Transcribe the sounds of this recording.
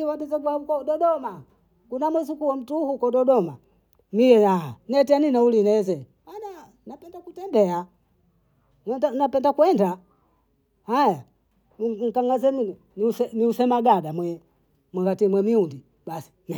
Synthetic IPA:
iwatɛzɛɡwaukɔɗɔɗɔma | kunamwɛzikuwɔm̩tuhukɔdɔdɔma | mijɛjanɛtianinaulinɛzɛ | ana | napɛndakutɛndɛa | ɛdanapɛndakuwɛnda | haja | ŋ̩kaŋɡazɛmi | niusɛniusɛmaɡadamwɛ | mwaɡatimwɛmiundi | ɓasi̥m

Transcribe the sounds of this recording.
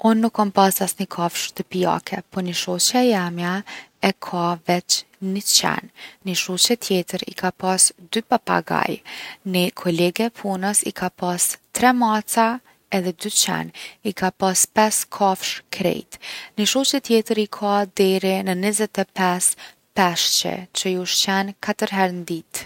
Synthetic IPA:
unːukʰːɔnpasasnəkʰɔfʃt̪əpia̰kʰɛpɔniʃɔt͡ʃaɛjamjaɛkʰavɛt͡ʃ | nit͡ʃɛ̰nniʃut͡ʃɛt̪ʰjɛt̪əɾḭkʰapasd̪ypapa̰ɡa̰jnikʰɔlɛɡɛpʰunəsikʰapast̪ɾɛmat͡sa | ɛðɛd̪yt͡ʃɛ̰nikʰapaspɛskʰɔfʃkʰɾɛ̰jt̪niʃut͡ʃɛt̪jɛt̪əɾikʰad̪ɛɾinənizɛt̪ɛpɛs | pɛʃt͡ʃɛ̰t͡ʃəjuʃt͡ʃɛnkʰat̪əɾɦɛɾnd̪it̪

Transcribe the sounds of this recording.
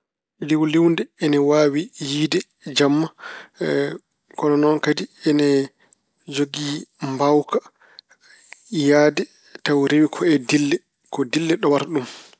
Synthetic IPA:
liwliwndɛɛnɛwaːwijiːdɛ | d͡ʒamːa | kɔnɔnɔnkadiɛnɛ | d͡ʒoɡimbawka | jaːdɛ | tawɾewikʰɔɛdilːɛ | kɔdilːɛɗɔwaɾɗum

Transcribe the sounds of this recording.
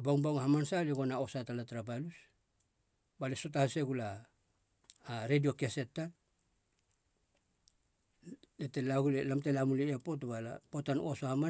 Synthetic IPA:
baŋbawŋhamansaliɡo̞nao̞satalatɾapalus | balesot̬ahse̞ɡula | ɾedio̞kese̞tːa | letelaɡulelamtelamuliapo̞t̬ubala̰potanosohama

